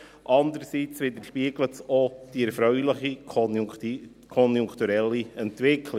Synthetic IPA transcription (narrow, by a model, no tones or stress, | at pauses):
ʔɑnd̪əɾsit͡sʋɪd̪əɾʃpiːɡ̥lətsod̥iɛɾfɾœʏlɪχi | kʰɔnjʊŋkt̪uɾɛlːiɛnt̪ʋɪkʰlɪ